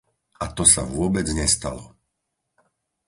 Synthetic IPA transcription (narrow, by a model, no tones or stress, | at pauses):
at̪ɔsa̰vʊɔbɛd͡zɲɛst̪alɔ